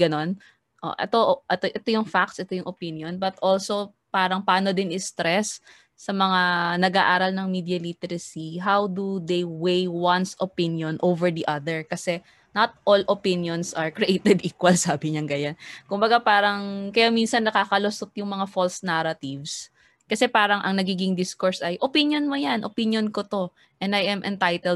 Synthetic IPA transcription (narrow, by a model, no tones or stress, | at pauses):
ɡɐno̞n | ʔo̰ʔɛ̰t̪oʔʔɛt̪oʔɛt̪ojʊŋfak̚t̪sʔɛt̪ojʊŋʔopinjonbɐt̪ʔolso̞ | paːɾɐŋpaːnod̪ɪnɪst̪ɾɛsː | ɐmɐŋanɐɡaːʔaːɾɐlnɐŋmiːd̪jɐlit̪ɛɾɐsiɦawd̪ud̪ejwejwɐnsʔopɪnjonʔowvɛɹd̪iʔɐd̪ɛɹkɐsɛ | nɐt̪̚ʔolʔopɪnjonsʔɐɹkɾiʔejt̪ɛd̪ʔiːkwɐlsaːbɪɲɐŋɡɐjankʊmbɐɡapaːɾɐŋkɐjaminsɐnːɐkaːkɐlosot̪̚jʊŋmɐŋafolsnaɾɐt̪ɪvs | kɐsɛpaːɾɐŋʔɐŋnɐɡiːɡɪŋd̪iskoɹsʔɐjʔopinjonmojanʔopinjonkot̪o̞ | ʔɛ̃nd̪ajʔɐmʔɛnt̪ajt̪ɛl